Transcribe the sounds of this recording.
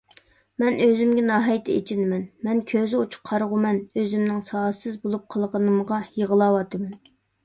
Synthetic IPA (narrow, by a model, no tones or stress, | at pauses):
mɛnøzymɡʲɛnɑːɦɑjt̪ʰɛḛt͡ʃʰɪnɪmɛnmɛnkʲʰøzɪot͡ʃʰʊ̥qʰɑɾʁʊmɛnøzymnɪŋsɑːsɨzbolˠup̚qʰəlˠʁənɨmʁɑjeʁəlˠɑːwɑt̪ʰɨmɛn